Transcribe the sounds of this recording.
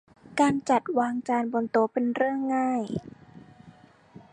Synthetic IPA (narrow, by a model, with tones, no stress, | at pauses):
kaː˧nt͡ɕa˨˩t̪̚waː˧ŋt͡ɕaː˧nbɔ˧nt̪o˧pe˧nɾɯ˥˩əŋːaː˥˩j